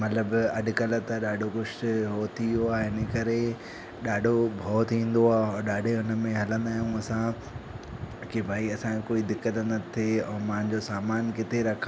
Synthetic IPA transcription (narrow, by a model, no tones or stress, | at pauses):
mɐt̪ləbɐɖʱʊ̆kɐlət̪ɐɗaːɖʱokʊʃɦoːt̪ʰijoaːɦɪnəkɐɾe | ɗaːɖʱobʱɔːt̪ʰĩːn̆d̪oaːɔ̃ɾɗaːɖʱeɦʊnə̆mẽɦɐlə̃nd̪aːɦijũɐsã | kibʱaːiɐsãokoːid̪ɪkːət̪nət̪ʰeɔːmãɦɪ̃ɲ̆d͡ʑosaːmaːnkɪt̪eɾɐkʰ